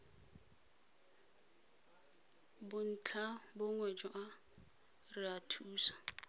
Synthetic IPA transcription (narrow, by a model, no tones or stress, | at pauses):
bʊn̩t͡ɬʰabʊŋwɛd͡ʒʼɔʔa | rɪatʰuːsḁ